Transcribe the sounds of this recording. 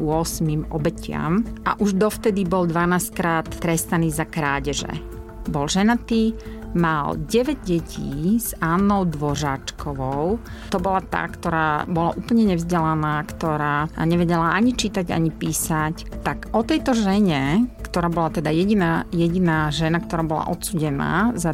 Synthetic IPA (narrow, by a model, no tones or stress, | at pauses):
ʊɔsmimɔ̰bɛcɪa̰mʔa̰ʔuʒd̪ɔft̪ɛd̪ibɔld̪ʋanaːsckɾaːt̪ːɾɛst̪aniːzakɾaːɟɛʒɛ̰ | bɔlʒɛnat̪iːmalɟɛʋɛɟɟɛcʰḭːz̥aːnːɔʊd̪ʋɔʒaːt͡ʃkɔʋɔʊ | t̪ɔbɔlat̪a̰kt̪ɔɾaːbɔlaʔuːpl̩ɲɛɲɛvzɟɛlanaːkt̪ɔɾaːa̰ɲɛʋɛɟɛlaaɲit͡ʃiːt̪aɟa̰ɲipiːsac | t̪aɡɔt̪ɛjt̪ɔʒɛɲɛkt̪ɔɾaːbɔlat̪ɛd̪ajɛɟinajɛɟinaːʒɛnakt̪ɔɾaːbɔla̰ʔɔt̪suːɟɛna̰ːza